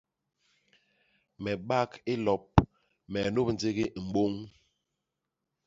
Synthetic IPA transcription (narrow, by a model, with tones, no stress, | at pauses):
mɛ˨ɓa˦ke˦lɔ˨p̚ | mɛ˨no˦p̚n̩˨˦d͡ze˦ɣi˦m̩˨ɓo˦ŋ